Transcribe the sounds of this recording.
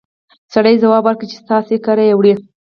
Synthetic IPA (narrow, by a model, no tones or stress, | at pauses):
saɽəjzawɑbaɾkit͡ʃe̥st̪ɑsekaɾajewɽi